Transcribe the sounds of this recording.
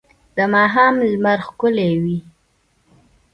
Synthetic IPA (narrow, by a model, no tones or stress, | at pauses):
d̪̥əmɑɦɑmlmaɾxkʊlewi